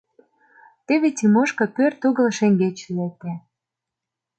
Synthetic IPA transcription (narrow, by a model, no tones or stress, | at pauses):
t̪eβetʲimoʃkɤ̆pørt̪uɣə̆lʃeŋɡet͡ɕlek̚t̪æ